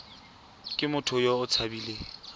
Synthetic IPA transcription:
kʼɪmʊtʰʊjoʊt͡sʰabile

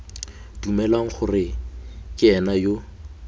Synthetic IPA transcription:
d̥umɛlwaŋ̩χʊrɪkʼɪɛnajo

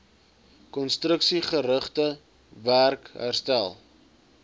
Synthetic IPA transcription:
kɔnstrəksiχəɾəχtə | værkɦæ̰rstæ̰lˠ

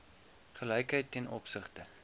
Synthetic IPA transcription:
χəlɛjkɦəjtːɛnʔɔ̰psəχtə

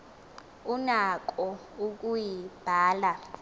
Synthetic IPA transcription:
unak̬ʼɔ | uk̬ʼujib̥ʱaːla

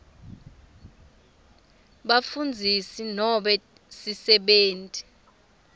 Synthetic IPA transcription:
ɓafund͡zʱisinɔɓɛ | sisɛɓeːntʼi̥

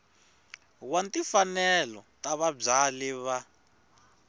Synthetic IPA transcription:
wantifanɛlɔ̰taβab͡ʐalɛβa

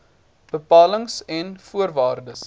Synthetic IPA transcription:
b̥əpɑːləŋsɛnfuərvɑːrdəs

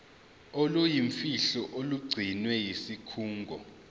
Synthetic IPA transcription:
olujiɱfiɬɔʔoluɡ͡ǀʱinwɛjisikʰuːŋɡʱɔ̰

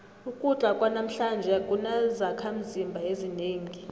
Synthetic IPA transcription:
ukʼut͡ɬʼakʼwanam̩ɬand͡ʒʱɛkʼunazakʰam̩zimbʱaezineːŋi

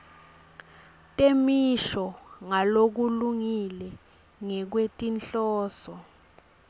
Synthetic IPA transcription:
tʼemiʃɔŋalok̬uluŋilɛ | ŋɛk̬wetʼinɬɔːsɔ

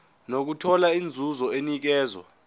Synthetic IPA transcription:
nok̬utʰɔlaind͡zʱuzɔenik̬ɛːzɔ̰

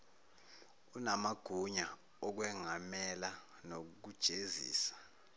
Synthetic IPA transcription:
unamaɡ̥ʱuɲa | ɔk̬wɛŋamɛla | nok̬uk̬ud̥ʒ̥ʱezḭːsḁ

